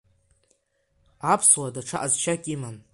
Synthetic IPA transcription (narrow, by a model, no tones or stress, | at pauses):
apʰswadaʈ͡ʂʰaʔazt͡ʃʰakʲʼiman